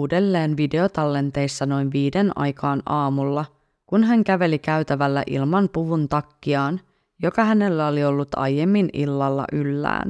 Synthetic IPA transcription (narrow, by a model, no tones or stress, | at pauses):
uːde̞lːe̞ːnʋide̞o̞t̪ɑlːe̞nt̪e̞jsːɑno̞jnʋiːde̞nɑ̰jkɑːnʔɑːmulːɑ | kunɦæŋkæʋe̞likæɥt̪æʋælːæ̰ʔḭlmɑnpuʋunt̪ɑkːiɑːn | jo̞kɑhæne̞lːæo̞lio̞lːut̪ɑ̰jːe̞mːinilːɑlːɑ̰ʔylːæ̰ːn